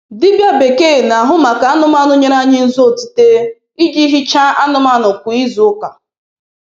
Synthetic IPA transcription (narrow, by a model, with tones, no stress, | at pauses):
dɪ˦bja˦be˨ke˦˨na˨ɦʊ˦ma˨ka˨a˦nʊ˦ma˦nʊ˦ɲe˦ɾa˦ɲɪ˦n̩˦zo˦˨ti̥˨te˦ | i˦d͡ʒi˦ɦi˦t͡ʃa˦ʔa˦nʊ˦ma˦nʊ˨kʷʊ˨i˦zʊ˨ʊ˦ka˨